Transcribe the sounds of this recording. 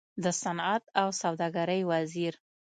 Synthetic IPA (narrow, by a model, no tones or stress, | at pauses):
d̪əsanat̪̚awsawd̪ɑɡaɾəjwaziɾ